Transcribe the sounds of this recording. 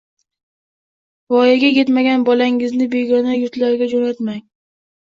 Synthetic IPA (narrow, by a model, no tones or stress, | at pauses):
vɒjaɡʲakʲe̞t̪maɡʲanbɒlaŋɪznɪbe̞ɡʲɒnajʊɾt̪laɾɡʲad͡ʒonat̪maŋ